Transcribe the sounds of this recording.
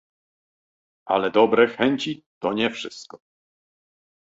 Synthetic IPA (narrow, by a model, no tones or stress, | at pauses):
ʔa̰lɛd̪ɔbɾɛxɛɲt͡ɕit̪ɔɲɛfʂɘst̪̚kɔ